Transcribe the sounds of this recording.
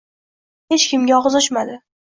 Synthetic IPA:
het͡ʃkʲʰɪmɡʲaɒʁzɒʃmad̪ɪ

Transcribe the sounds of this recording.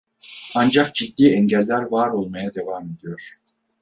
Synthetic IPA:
and͡ʒakd͡ʒid̪ːiːɛɲɟælʲːæɾvaːɾo̞lˠmajad̪e̞vaːme̞d̪ijo̞ɾ̥

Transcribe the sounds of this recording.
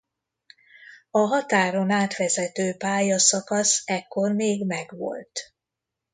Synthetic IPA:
ɒɦɒt̪aːɾo̞naːt̪ʋɛzɛt̪øːpaːjɒsɒkɒsɛkːo̞rmeːɡmɛɡʋo̞̰lt̪

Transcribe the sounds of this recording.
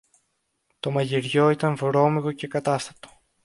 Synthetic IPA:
t̪o̞mɐʝiɾʝo̞it̪ɐɱvɾo̞miɣoce̞kɐt̪ɐst̪ɐ̥t̪o̥

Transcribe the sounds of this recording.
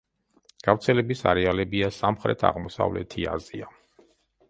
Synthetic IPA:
ɡ̥avt̪sʰɛlɛbisaɾɛalɛbiasamχɾɛt̪ʰa̰ʁmɔsa̰vlɛ̰t̪ʰia̰zia

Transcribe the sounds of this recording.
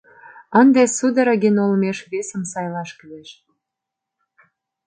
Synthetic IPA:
ənd̪esud̪ə̆ɾəɣenolmeʃβesə̆msɑjlɑʃkyeʃ

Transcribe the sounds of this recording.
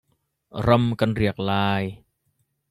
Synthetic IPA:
ɾamkanɾiək̚laːj

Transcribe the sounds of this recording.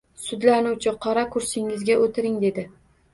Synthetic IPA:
sʊd̪lanʊwt͡ʃʰɪqʰɒɾakʰʊɾsɪŋɪzɡʲaʔot̪ʰɪɾɪŋd̪e̞d̪ɪ

